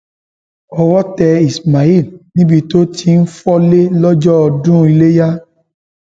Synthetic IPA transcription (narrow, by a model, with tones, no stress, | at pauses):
ɔ˧wɔ˦tɛ˧i˨sma˨i˦˨lnĩ˦bi˧to˦ti˧n̩˦fɔ˦le˦lɔ˦d͡ʒɔ˦ɔ˧dũ˦i˧le˦ja˦